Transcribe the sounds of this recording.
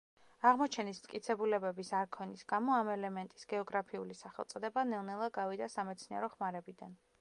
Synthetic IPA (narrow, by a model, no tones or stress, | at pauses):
aʁmɔt͡ʃʰɛnismt̪kʼit̪sʰɛbulɛbɛbisaɾkʰɔnisɡamɔamɛlɛmɛnt̪ʼisɡ̥ɛɔɡɾapʰiṵlisaχɛlˠt̪sʼɔd̪ɛbanɛlˠnɛlˠaɡavid̪asamɛt̪sʰniɛ̰ɾɔχmaɾɛbid̪a̰n